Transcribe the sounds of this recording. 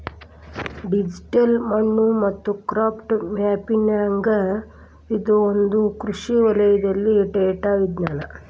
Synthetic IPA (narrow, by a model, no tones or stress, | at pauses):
ɖid͡ʒiʈɐlmɐɳːumɐt̪ːukɾaːpʈmaːpinɐɐŋɡɐ | id̪oond̪ukɾuʂiʋɐlɐjɐd̪ɐlːiʈeʈaːɡid̪naːlɐ